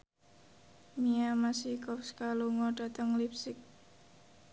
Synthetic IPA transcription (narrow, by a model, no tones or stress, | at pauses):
miamasikɔfskaluŋɔɖ̥a̤t̪əŋlipsɪk̚